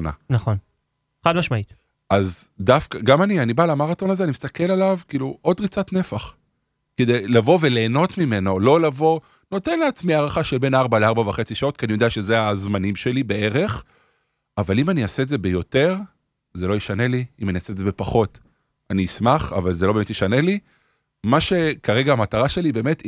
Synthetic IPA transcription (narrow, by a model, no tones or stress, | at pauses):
na̰naχon | χad̪maʃmait̪ | ʔazdafkaɡamanianibalamaʁato̞nazeanimist̪ake̞lalavkiːluʔo̞d̪ʁit͡satnefaχ | ked̪ejlavo̞ve̞leːno̞tmime̞nolo̞lavo̞ | no̞te̞nleːt͡smiaːʁaχaʃelbe̞naʁbaleaʁbavaχe̞t͡siʃao̞t̪̚kianijo̞d̪eaʃezeazmanimʃe̞libe̞e̞ʁe̞χ | avalimaniase̞edze̞be̞jo̞te̞ʁ | zelo̞jeʃane̞liimaniase̞zebe̞paχo̞t | aniːsmaχa̰valzeloemetjeʃane̞li | maʃe̞kaʁe̞ɡaːmataʁaʃe̞libe̞ːme̞t